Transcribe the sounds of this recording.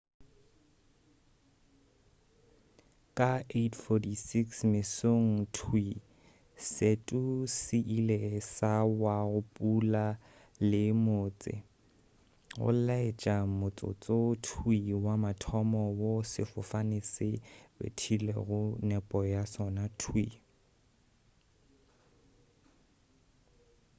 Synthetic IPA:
kʼaetʰfɔtisiksmɪsoŋ̩tʰwi | setʼusɪʔilesawaɣʊpʼula | lɪmoːt͡sʼɪ̰ | ʊ̰llaet͡ʃʼamʊt͡sʼʊ̰t͡sʼotʰwiwamatʰɔmɔwosɪfʊfanɪsɪbḛtʰilḛɣʊnɛpʼɔjasɔnatʰwi

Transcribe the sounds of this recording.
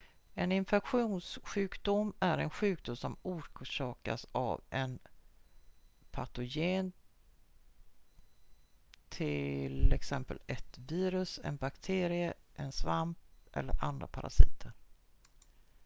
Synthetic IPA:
ɛnɪnfɛkɧuːnsɧʉ̟ːkd̪ʊmæɾɛnɧʉ̟ːk̚d̪ʊmsɔmuːʂɑːka̰sa̰vɛn | pʰat̪ʊjeːn | t̪ʰɪlɛksɛmpə̰lɛt̪viːɾɵsɛ̰nbakt̪ʰeːɾɪəʔɛnsvamp̚ʔɛ̰lːə̰ɾʔa̰nd̪ɾa̰pʰaɾasiːt̪ʰəɾ

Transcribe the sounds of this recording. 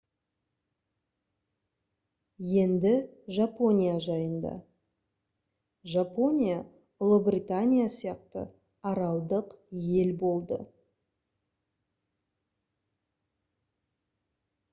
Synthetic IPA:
je̞nd̪ɪʒapo̞nʲijaʒɑjənd̪ɑ̰ | ʒapo̞nʲija | ʊlˠəbrʲit̪anʲijasijɑqt̪ə̰ | ɑɾɑlˠd̪əqje̞lbo̞lˠd̪ə̰

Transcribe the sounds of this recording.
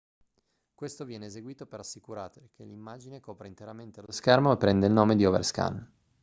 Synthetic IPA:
kwest̪ovjɛːneːzeɡwiːt̪opeɾasːikuɾaːt̪elkʰelimːaːd͡ʒinekɔːpɾeint̪eɾament̪elooskɛrmoepːɾɛnd̪eilnoːmed̪iovḛrska̰n

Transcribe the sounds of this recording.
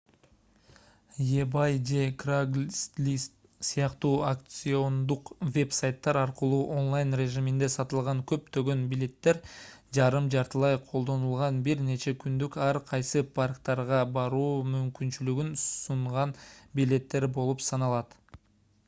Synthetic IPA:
jebajd͡ʒe̞kraɡlst̪lʲist̪ | sijɑqt̪uːakt̪sɨo̞nd̪uqvʲe̞psajt̪ːɑɾɑɾqəlˠuːʔo̞nlˠajnrʲe̞ʒimind̪e̞sɑt̪ɯlˠʁɑŋkʰɵ̞pt̪ø̞ɡø̞nbilʲe̞t̪ːe̞ɾd͡ʒɑɾɯmd͡ʒɑɾt̪əlˠɑjqʰo̞lˠd̪o̞nulˠʁɑnbiɾne̞t͡ʃe̞kʰynd̪ykɑɾqʰɑjsɯpʰarkt̪ɑɾʁɑbɑɾuːmymkynt͡ʃylyɡynsuɴʁɑnbile̞t̪ːe̞ɾbo̞lˠupsɑnɑlˠɑt̪

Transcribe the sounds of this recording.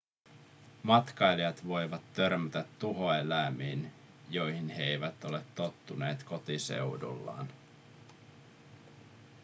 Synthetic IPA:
mɑt̪kɑjlijɑt̪ʋo̞jʋɑt̪ːø̞rmyt̪æt̪ːuɦo̞elæmiːn | jo̞jhinɦeejʋæt̪o̞le̞t̪ːo̞t̪ːunḛːt̪ko̞t̪ise̞̰wdṵlːɑ̰ːn

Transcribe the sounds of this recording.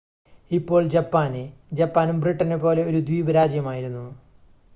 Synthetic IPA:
ipːo̞ːɭd͡ʑɐpːaːned͡ʑɐpːaːnumbriʈːɐnepːo̞ːle̞oɾud̪wiːbɐɾaːd͡ʑjɐmaːjiɾunːu

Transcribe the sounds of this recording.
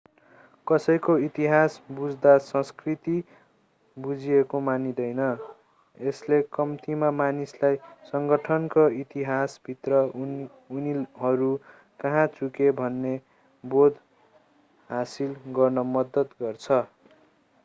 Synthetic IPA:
kʌsʌjkoit̪iɦasbud͡zd̪asʌ̃skrit̪i | bud͡zʱiekomanid̪ʌjnʌ | eslekʌmt̪imamanislajsʌŋɡʌʈʰʌnkoit̪iɦasbʱit̪rʌː | niɦʌɾu | kʌɦãt͡sukebʱʌnːe | bod̪ʱ | ɦasilɡʌrnʌmʌd̪ʌt̪ɡʌrt͡sʰʌ

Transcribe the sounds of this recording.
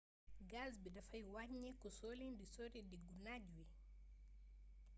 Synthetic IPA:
ɡazbidafajwaɲːɛkusolindisoɾidiɡunad͡ʒuwi

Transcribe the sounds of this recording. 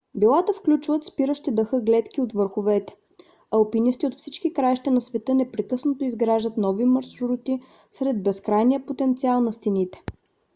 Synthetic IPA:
bilˠat̪əfklʲut͡ʃvət̪spiɾəʃt̪id̪əxɤɡlɛt̪k̟ʲiot̪vɤɾxovɛt̪ɛ̥ | ɐlpinist̪iot̪fsit͡ʃkikɾajʃt̪ɛnɐsvɛt̪ɤnɛpɾɛkɤsnot̪oizɡɾaʒət̪nɔvimɐɾʃuɾut̪i | sɾɛd̪̚bɛskɾajniəpot̪ɛnt̪sialˠnɐst̪init̪ɛ̥

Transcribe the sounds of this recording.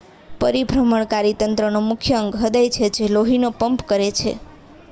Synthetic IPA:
pəɾibʱɾəməɳkaɾit̪ənt̪ɾənomʊkʰjəəŋɡɦəd̪əjt͡ʃʰed͡ʒeloɦinopəmpkəɾet͡ʃʰḛ

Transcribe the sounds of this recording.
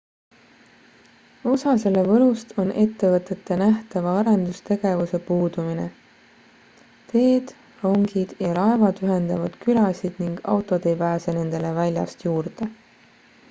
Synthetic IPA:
o̞sɑse̞levɤɾust̪ʰonʔe̞t̪ːe̞vɤt̪ːˑe̞t̪ːe̞næht̪ɑvɑɑɾend̪ust̪e̞ɡ̥e̞vuse̞puːd̪umine̞̰ | t̪e̞ːd̪̥ | ro̞ŋɡ̥id̪̥jɑɾɑe̞vɑd̪yɦe̞nd̪ɑvɑd̪̥kylɑsid̪̥niŋɡ̥ɑ̰wt̪ːˑo̞d̪e̞jpæːse̞ne̞nd̪̥e̞levælʲjɑ̰st̪juːɾd̪̥e

